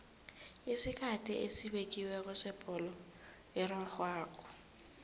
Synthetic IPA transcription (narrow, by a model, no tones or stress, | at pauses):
ɪsɪkʰatʼiʔesibekʼiweɣʊsɪpʼɔlɔ | ɪrwaχwaːkʼɔ̥